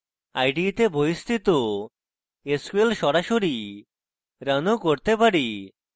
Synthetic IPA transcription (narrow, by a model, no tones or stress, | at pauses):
ajɖit̪eboist̪ʰit̪o | eskuelʃɔɾaʃoɾi | ɾanokoɾt̪epaɾi